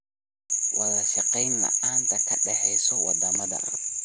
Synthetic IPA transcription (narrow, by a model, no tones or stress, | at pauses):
wɑːlɐʃɑqɛjnlɐ̰ʔaːnt̪ʰɐkʰɐɖɛħɛjsɔwɑd̪ɐmɐðɐ̰